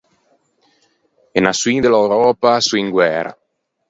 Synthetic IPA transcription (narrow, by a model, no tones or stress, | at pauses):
enaswid̪elawɾɔːpasuiŋɡwɛːɾa̰